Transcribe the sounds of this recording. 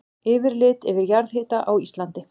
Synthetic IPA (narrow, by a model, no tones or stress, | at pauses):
ɪːvɪɾlɪːt̪ɛvɪɾjaɾðheːt̪aʔawist̪lant̪ɪ